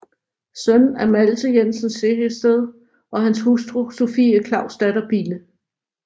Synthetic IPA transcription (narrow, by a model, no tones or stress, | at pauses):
sœnn̩æɐmælsəjensənsːehesd̥eðˠ | ʔɒ̽ɦænshusd̥ʁuso̝fḭːəkʰlɑ̈ʊ̰sd̥æd̥ɐb̥iːlə